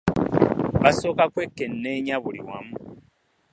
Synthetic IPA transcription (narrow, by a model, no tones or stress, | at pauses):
βaso̞ːkakwe̞kːenːe̞ɲaβuliwa̰mu